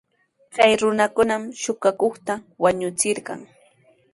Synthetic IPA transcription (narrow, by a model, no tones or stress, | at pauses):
t͡sajɾʊnakʊnamʃʊkakoχt̪awaɲʊt͡sɪɾɢɑ̰ŋ